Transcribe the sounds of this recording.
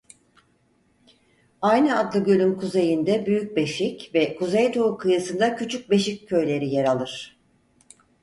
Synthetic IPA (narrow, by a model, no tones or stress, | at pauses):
ajnɯad̪lˠɯɟølʲymkʰuzejɯnd̪ɛbyjyc̚be̞ʃicvɛkʰuzejd̪ʰoukʰɯjɯsɯnd̪acʰyt͡ʃʰyc̚be̞ʃicʰːø̞jlʲe̞ɾijeɾalˠɯɾ̝̥